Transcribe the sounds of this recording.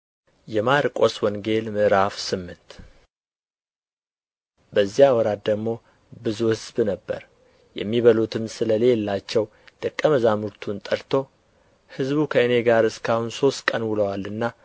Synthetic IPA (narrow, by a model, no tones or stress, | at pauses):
jɛmaɾkʼoswɔŋɡe̞lmɨʔɾafsɨmːɨnt̪ | bəzːijawɔɾat̪̚d̪əɡmo̞ | bɨzuhɨzbnəbːə̰ɾ | jɛ̰mːiβəlut̪ʰɨmsɨləle̞lːat͡ʃːɛw | d̪̥əkʼːəməzamɨɾt̪ʰunt̪ʼəɾt̪ʰo̞ | hɨzbukʰəɨne̞ɡaɾɨskʰahunso̞st̪kʼənwɨləwalɨnːa